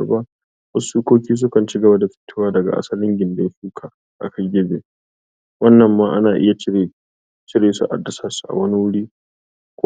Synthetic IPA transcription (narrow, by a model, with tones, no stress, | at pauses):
ba˦ | wɐ˦suː˦kʷoː˦kʲiː˦s̬ʊ˦kɐ˨nt͡ʃɪ˦ɡɐ˨ba˦da˨ɸɪ̥˦tːʊː˦waː˦dɐ˨ɡa̰˨ʔa̰˦sɐ˦lɪ˦ŋɡʲɪ˨nda˨ja˦ɸuː˦kʰa˨ | ʔa̰˨kʰɐ˦ɡʲɪ˦bḛː˨ | wɐ˦nːɐ˨mːaː˦ʔa˦naː˨ʔɪ̰˦ja˨˦˨ | t͡ʃɪ˦ɽeː˨sṵ˦ʔa̰˨dːɐ˨sɐ˨su̥˨ʔa̰˨wɐ˦ni˦wʊ˦ɽiː˦ | kʷ